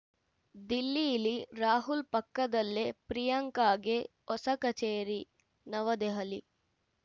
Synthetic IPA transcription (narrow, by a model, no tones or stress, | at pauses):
d̪ilːijiliɾaːɦulpɐkːɐd̪ɐlːepɾijɐŋkaːɡe | ɔsɐkɐt͡ʃeːɾi | nɐʋɐd̪eɦɐli